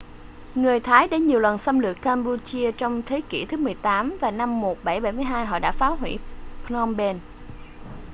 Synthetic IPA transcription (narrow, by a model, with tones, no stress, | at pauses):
ŋɨ˨˩əjt̪ʰaː˨˦jɗe˧˥ɲi˨˩əwlwə˨˩nsa˧wmlɨ˨˩ək̚kaː˧mpu˧t͡ɕi˧ət͡ɕɔ˧wŋ͡mt̪ʰe˨˦kḭ˧˩t̪ʰɨ˨˦mɨ˨˩əjt̪aː˨˦mvaː˨˩na˧mːo˨˩t̚ɓa˧˩jɓa˧˩jmɨ˧əjɦaː˧jɦɔ̰˧˨ɗa̰ː˧˥faː˨˦wɦwḭ˧˩pnɔ˧mɓɛ˧n